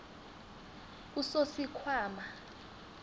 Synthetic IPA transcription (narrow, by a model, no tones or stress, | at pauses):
usosikʰwaːma